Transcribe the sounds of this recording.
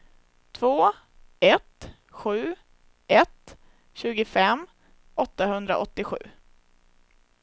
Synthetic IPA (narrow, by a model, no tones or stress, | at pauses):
t̪ʰvoː | ɛt̪ | ɧʉ̟ː | ʔɛt̪ | ɕʉ̟ːɡəfɛm | ɔt̪ːahɵnd̪ɾa̰ʔɔt̪ːɪɧʉ̟ː